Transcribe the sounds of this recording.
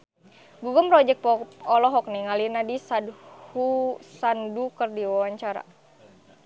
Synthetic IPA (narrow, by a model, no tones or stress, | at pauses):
buɡəmpɾɔd͡ʒɛk̚pɔɔlɔɦɔk̚niŋalinadisadhusandukərdiwawaɲt͡ʃaɾa̰